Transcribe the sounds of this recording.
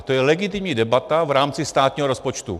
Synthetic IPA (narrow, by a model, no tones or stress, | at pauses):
t̪ojɛlɛɡɪt̪̬ɪmɲiːdɛbat̪avɾaːmt͡sɪst̪aːt̪ɲiːɦoɾospot͡ʃt̪ṵ